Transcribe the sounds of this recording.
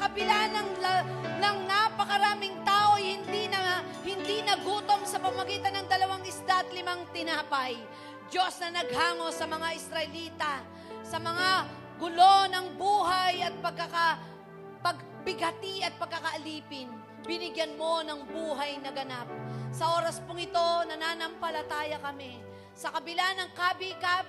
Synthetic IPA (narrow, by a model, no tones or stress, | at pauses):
kɐpɪlanɐŋ | nɐŋnɐpɐkɐɾaːmɪŋt̪aːʔo̞jhɪnd̪inɐhɪnd̪inɐɡuːt̪o̞msɐpɐmɐɡiːt̪ɐnːɐŋd̪ɐlɐwaŋɪsd̪aʔɐt̪lɪmaŋt̪ɪnaːpɐj | d͡ʒo̞snɐnɐɡ̚haːŋo̞sɐmɐŋaʔɪsɾɐʔɪliːt̪ɐ | sɐmɐŋa | ɡʊlo̞nɐŋbuːɦajɐt̪̚pɐɡ̚kːɐka | pɐɡ | bɪɡhɐt̪iʔɐt̪̚pɐɡkːɐkɐʔɐliːpɪn | bɪnɪɡjɐnmo̞nɐŋbuːɦɐjnɐɡɐnap̚sɐʔo̞ːɾɐspʊŋɪt̪o̞nɐnanɐmpɐlɐt̪aːjɐkɐmɛ | sɐkɐbɪlanɐŋkaːbɪka